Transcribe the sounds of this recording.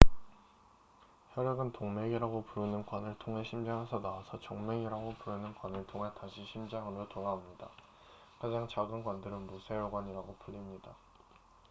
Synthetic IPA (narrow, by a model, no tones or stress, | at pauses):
çjʌɾjʌɡɯntoŋme̞ɡiɾaɡopuɾɯnɯnkwanɯɭtʰoŋɦe̞ɕʰimd͡ʑaŋɦesʰʌnaasʰʌt͡ɕoŋme̞ŋiɾaɡopuɾɯnɯnkwanɯɭtʰoŋɦetaɕʰiɕʰimd͡ʑaŋɯɾotoɾaomɲida | kad͡ʑaŋt͡ɕaɡɯnɡwandɯɾɯnmusʰe̞joɡwaɲiɾaɡopuʎːimɲida